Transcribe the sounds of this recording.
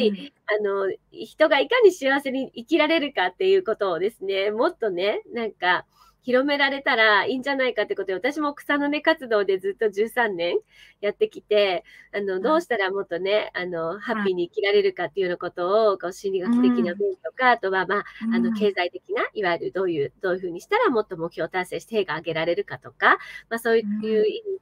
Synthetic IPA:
i | ano̞çi̥t̪o̞ɡaikaɲ̟iɕiaβase̞ɲ̟iikʲiɾaɾe̞ɾɯ̟kat̪ːe̞jɯ̟ko̞t̪o̞ːd̪e̞sɨne̞mo̞t̪ːo̞ne̞nãŋka | çiɾo̞me̞ɾaɾe̞t̪aɾaĩːɲ̟d͡ʑanaikat̪ːeeɯkot̪aβat̪aɕimo̞ːkɯ̥sãnːo̞ne̞kat͡sɨd̪o̞ːd̪e̞zɨt̪ːo̞ʑɨːsãnːẽ̞ŋ | jat̪ːe̞kʲit̪e̞ano̞d̪o̞ːɕi̥t̪aɾamo̞t̪ːo̞ne̞ano̞hapʲːiɲ̟iːkʲiɾaɾe̞ɾɯ̟kat̪ːejɯonoko̞t̪o̞ːkoɕĩnɾʲiɡakʲi̥t̪e̞kʲinabɯnt̪o̞kaːt̪o̞βamaːno̞ke̞ːzait̪e̞kʲinaʔiβaeɾɯ̟d̪o̞ːjɯ̟ːd̪̥o̞ːjɯ̟ɸɯ̟ːɲ̟iɕi̥t̪aɾamo̞t̪ːo̞mok̟ço̞ːt̪ase̞ːɕi̥t̪eeːɡaːɡe̞ɾaɾe̞ɾɯ̟kat̪o̞kamaso̞ːjjɯ̟imi

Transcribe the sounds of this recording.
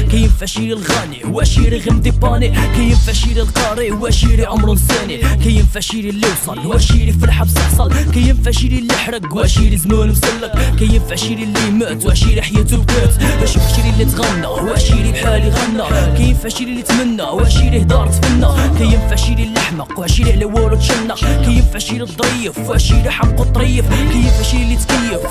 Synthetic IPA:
kæjənfæʃiɾilɣæniwæʃiɾiɣəmd̪ibɑnikæjənfæʃiɾilqɑɾˤiwæʔʃiɾiʕʊmɾsænikæjənfæʃiɾilːiwsˤɑlwæʃiɾifəlħabt̪əħsˤɑlkæjənfæʃiɾilːəħɾəɡwæʔʃiɾizmænmzəlːəkkæjənfæʃiɾilːimæt̪wæʔʃiɾiħjæt̪əlqət̪wæʃəfaʃiɾilːit̪ɣænːæwæʔʃiɾibħaliɣænːækæjənfæʃiɾilːit̪mənːæwæʔʃiɾihd̪ɑɾˤt̪mənːækæjənfaʕʃiɾilːaħməqwæʃiɾilæwʊɾət̪ʃənːəqkæjənfaʃiɾit̪ˤːɾijːəfwæʔʃiɾiħabqːut̪ˤːɾijːəfkæjənfæʃiɾilːit̪kæjːəf

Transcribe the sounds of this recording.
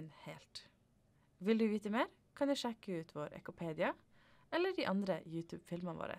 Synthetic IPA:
nheːlt̪ | ʋɪld̪ʉːʋiːt̪əmeːɾ | kʰɑnjɛʃɛkːəʉːt̪ʰʋoːɾɛ̰kʊpʰeːd̪ɪɑ | ɛlːəɖiːʔɑnd̪ɾəjʉːt̪ʰʉ̰ːb̥fɪlməʋo̰ːɾə̰

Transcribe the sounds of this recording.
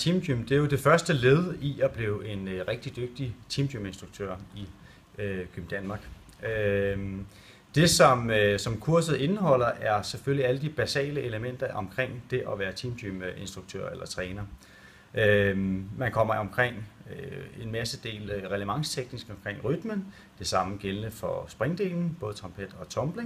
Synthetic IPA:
t͡sʰimd̥ymd̥e̝jo̝d̥e̝fɶɐsd̥əle̝ːð̩ˠəʔiʔæb̥liːʊʔe̝nʁeɡ̥̚d̥id̥øɡ̥̚d̥it͡sʰimd̥yme̝nsd̥ʁuɡ̥̚t͡sʰø̰ɐ̰i | ɡ̥ʰøbn̩d̥ænmɑ̈ːɡ̥ | ø | d̥e̝sɒ̽msɒ̽mkʰuɐ̰sð̩ˠe̝nəɦɒ̽l̰ɐʔæɐsefølliæləd̥ib̥æsɛ̰ːləʔe̝ləmen̰d̥ɐʔɒ̽mkʰʁeŋ̰d̥e̝ʔɒʋæːɐt͡sʰiːmd̥yme̝nsd̥ʁuɡ̥̚t͡sʰø̰ɐ̰elɐt͡sʰʁɛːnɐ | ʔømænkʰɒ̽m̰ɐɒ̽mkʰʁeŋ̰ | e̝nmæsəd̥e̝̰ːlʁɛləʋɑ̈ŋst͡sʰeɡ̥nisɡ̥ɒ̽mkʰʁeŋ̰ʁyd̥mən | d̥e̝sɑ̈məɡ̥elənəfɒ̽sb̥ʁeŋd̥e̝̰ːln̩b̥ɔ̽ːðˠt͡sʰʁɑ̈mpʰed̥ɒ̽t͡sʰɒ̽mb̥le

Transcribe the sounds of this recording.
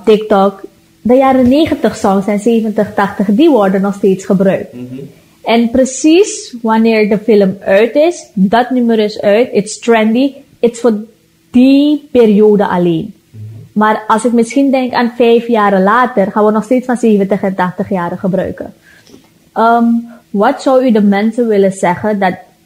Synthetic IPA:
tɪktɔk | dəjaːɾəneːχəntəχsɔŋsɛnseːvəntəχtɑχtəχdiʋɔrdənɔxsteːtsχəbrœɥk̚t | ɛnprəsisʋanɪːɹdəfɪləmœɥtɪsdɑtnyməɾəsœɥtɪtstrɛndi | ɪtsfoː | d̥ipeːɾijoːdəʔa̰leːn | maːrɑlˠsɪkmɪsxindɛŋkaːnfɛjfjaːɾəlaːtərχaːnʋənɔxsteːtsfanseːvəntəχɛntɑχtəχjaːɾəχəbrœ̰ɥkə̰ | ʔəʋɑtsɔwydəmɛnsəʋɪləzɛχədɑt̚

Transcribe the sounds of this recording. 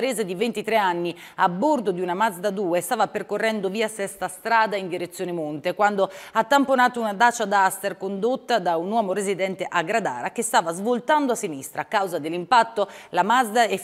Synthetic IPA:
ɾeːzed̪ivent̪it̪ɾeanːi | abːord̪od̪iunamazd̪ad̪uːest̪aːvaperkorːɛnd̪oviːasɛst̪ast̪ɾaːd̪aind̪iɾet̪sːjoːnemont̪ekwand̪oat̪ːamponaːt̪ounad̪aːt͡ʃad̪ast̪erkond̪ot̪ːad̪aunːwɔːmoɾezid̪ɛnt̪eʔaɡɾad̪a̰ːɾak̟est̪aːvazvolt̪and̪oasːinist̪ɾakːawzad̪elːimpat̪ːolamazd̪aɛ

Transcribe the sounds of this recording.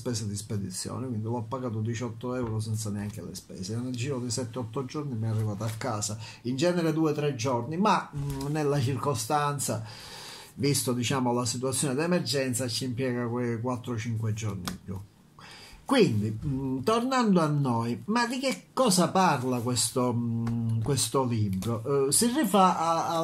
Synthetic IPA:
spɛːsad̪isped̪it̪sːjɔ̰ːnekwind̪ivɔɔpːaɡaːt̪̬od̪it͡ʃɔt̪ːoɛwɾos̬ɛnt̪saneaŋk̟elḛspɛ̰ːseoneld͡ʒiːɾod̪esɛt̪ːeɔt̪ːod͡ʒɔrnimɛɛarːivaːt̪oakːaːsa | ind͡ʒɛːneɾed̪uːet̪ɾɛd͡ʒornimanelːat͡ʃirkost̪ant̪sa̰ | vist̪od̪it͡ʃaːmolasit̪̬uat̪sːjoːned̪ɛmɛrd͡ʒɛnt̪sat͡ʃːimpjɛːɡakwekwat̪ːɾot͡ʃiŋkwed͡ʒɔrnḭmpjṵ | kwind̪it̪ornand̪oanːɔjmad̪ik̟ekːɔːsaparlakwest̪o | kwest̪olibɾosirːifaː

